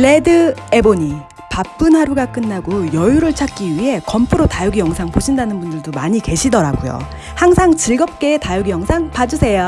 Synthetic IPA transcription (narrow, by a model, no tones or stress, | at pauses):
le̞dɯe̞boɲi | pap͈̚ɯnɦaɾuɡak͈ɯnːaɡojʌjuɾɯɭt͡ɕʰak̚k͈iɥiɦe̞kʌmpʰuɾotajʌɡijʌŋsʰaŋpoɕʰindanɯnbundɯɭdomaɲike̞ɕʰidʌɾaɡujo̰ | haŋsʰaŋt͡ɕiɭɡʌp̚k͈e̞ːtajʌɡijʌŋsʰaŋpad͡ʑusʰe̞jo